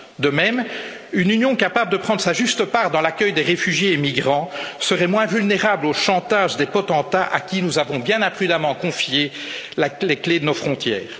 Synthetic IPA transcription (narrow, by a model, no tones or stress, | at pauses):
d̪əmɛm | ynynjɔ̃kapabləd̪əpχɑ̃d̪ʁəsaʒyst̪əpaʁd̪ɑ̃lakʲœjd̪eʁefyʒjeːmiɡʁɑ̃səʁɛmwɛ̃vylneʁabloʃɑ̃t̪aːʒd̪epɔt̪ɑ̃t̪aʔa̰kʲinuzavɔ̃bjɛ̃nɛ̃pχyd̪amɑ̃kɔ̃fje | lalekled̪ənofχɔ̃t̪jɛ̰ːʁ